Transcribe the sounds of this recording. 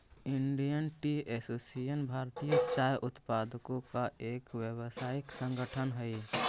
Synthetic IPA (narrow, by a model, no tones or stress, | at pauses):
ɪɳɖijənʈiɛsosijənbʱaːɾt̪ijət͡ʃaːjʔʊt̪pad̪ʱkõkaʔeːkwjəwsaːiksə̃ŋɡəʈʰənɦəi